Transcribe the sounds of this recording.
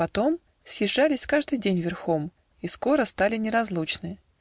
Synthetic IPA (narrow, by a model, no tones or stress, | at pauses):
pɐt̪o̞m | sʲjɪʐːalʲɪsʲkaʐd̪ɨjdʲenʲvʲɪrxo̞m | isko̞ɾəst̪alʲɪnʲɪɾɐzlˠut͡ɕnɨ